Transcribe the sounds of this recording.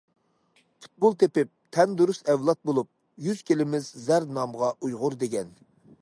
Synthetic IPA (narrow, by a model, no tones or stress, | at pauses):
pʰu̥t̪̚bʊlˠt̪ʰepɪp̚t̪ʰɛnd̪uɾusɛwlˠɑt̪̚bolˠup̚ | jyz̥kʲʰelɪmɪzzæɾd̪nɑmʁɑʔujʁʊɾd̪eɡʲɛn